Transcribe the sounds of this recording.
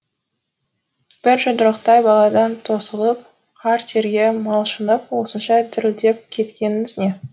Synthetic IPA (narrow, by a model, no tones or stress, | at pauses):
b̥ɪɾʒəd̪əɾəqt̪ɑjbɑlˠɑd̪ɑnt̪ʰo̞səlˠəp̚ | qʰɑɾt̪ʰe̞ɾɡʲemɑlˠʃənəp̚wo̞sənʃɑt̪ʰɪɾɪld̪e̞p̚kʲʰe̞t̪kʲe̞nɪnɪzne̞